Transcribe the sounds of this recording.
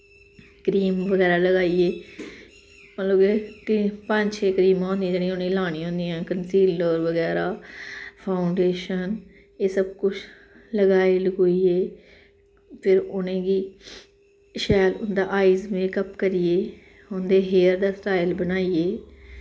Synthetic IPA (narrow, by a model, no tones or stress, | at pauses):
kɾiːmʋəɡɛːɾaːləɡaːieː | pə̃loːɡet̪ipəɲt͡ʃʰeːkəɾiːmãːnd̪ij̃d͡ʒeːɽ̃ĩʊnẽːlaːɽ̃ĩːõːnd̪ijãːkənsiːləɾʋəɡɛːɾaːpʰaːʊɳɖeːʃən | eːsəbkʊt͡ʃʰ | ləɡaːiːləɡoːieː | pʰɪɾʊnẽːɡiː | ʃɛːlʊnd̪aːʔaːiːzmẽːkəpkəɾijeː | ʊnd̪eːɦeːəɾd̪aːsʈaːɪlbənaːijeː